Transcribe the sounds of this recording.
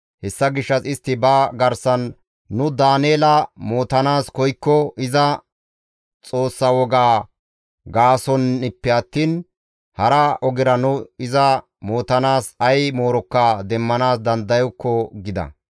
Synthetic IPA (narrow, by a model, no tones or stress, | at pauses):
hɛsːɐɡɪʃːɐsɪst̪ːɪbɐɡɐɾsɐnː | ʊd̪aːneːlɐmo̞ːt̪ɐnaːskɔjkːɔɪzɐ | t͡sʼo̞ːsːɐwɔɡaː | ɡaːsɔnɪpːɛɐt̪ːiːn | hɐɾɐɔɡɪɾɐnʊɪzɐ | mo̞ːt̪ɐnaːsɐjmo̞ːɾɔkːɐd̪ɛmːɐnaːsd̪ɐnd̪ɐjɔkːɔɡɪd̪ɐ̰